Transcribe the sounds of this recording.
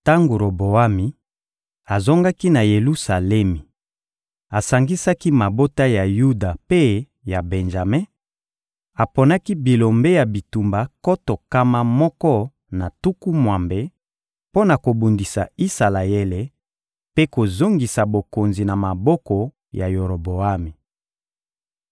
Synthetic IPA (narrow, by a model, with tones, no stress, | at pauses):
ta˦ŋɡo˨ɾo˨bo˨a˦mi˨ | a˨zo˦ŋɡa˦ki˦na˨je˨lu˦sa˨lɛ˦mi˨ | a˨sa˨ŋɡi˦sa˦ki˦ma˨bo˦ta˦ja˨ju˦da˨pe˦ | ja˨be˨nʒa˨me˦ | a˨po˨na˦ki˦bi˨lo˨mbe˦ja˨bi˨tu˨mba˨ko˦to˨ka˦ma˦mɔ˦kɔ˦ | na˨tu˦ku˦mwa˨mbe˦ | po˦na˨ko˨bu˨ndi˨sa̰˨i˦sa˨la˨e˦le˨ | pe˦ko˨zo˦ŋɡi˨sa˨bo˨ko˨nzi˨na˨ma˨bɔ˦kɔ˨ | ja˨jo˨ɾo˨bo˨a˦mi˨